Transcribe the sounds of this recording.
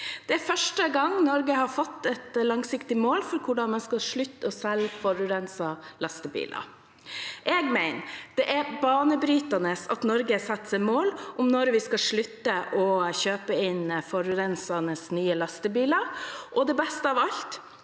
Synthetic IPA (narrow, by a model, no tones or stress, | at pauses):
d̪̥ɛæɾfœʂʈəɡɑŋnɔɾɡəhɑɾfɔt̪ːɛt̪lɑŋsɪkt̪ɪmoːlfɔɾkʰʊɖɑnmɛnskɑʂɭʉt̪ːɔsɛlfɔɾʉɾɛnsɑlɑst̪əbḭːlɑ̰ | ʔɛɡmæɪnd̪̥ɛʔæɾbɑːnəbɾyːt̪ɑnəsɑ̰t̪nɔɾɡəsɑt̪ːsɛɪmoːlʔʊmnɔɾʋɪskɑʂɭʉt̪ːəʔɔçøːpəɪnfɔɾʉɾɛnsɑnəsnyːəlɑst̪əbiːləɾʔɔd̪ɛbɛst̪əɑʋɑlt̪